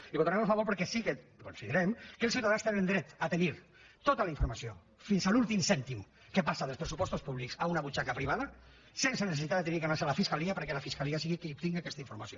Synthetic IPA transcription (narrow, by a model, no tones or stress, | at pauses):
iβot̪aɾɛmafaβoɾpəɾkɛsikekonsiðəɾɛmkəlˠs̬iwt̪aðanst̪enẽnd̪ɾɛt̪at̪eniɾ | t̪ot̪alaiɱfuɾmasio | finzalulˠt̪imsɛnt̪im | kəpasaðəlspɾəsupɔst̪uspuβliksaunaβut͡ʃakapɾiβ̞aðɐ | sensənesesit̪ad̪ət̪enikənasealafiskaliapəɾkɛlafiskaliasiɣikəup̚t̪iŋɡiakɛst̪aiɱfuɾmasio